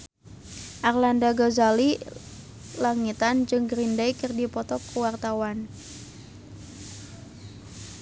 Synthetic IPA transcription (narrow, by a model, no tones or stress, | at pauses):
ʔarlandaɡɔzali | laŋit̪and͡ʒɨŋɡɾindajkɨrdipɔt̪ɔkəwart̪awan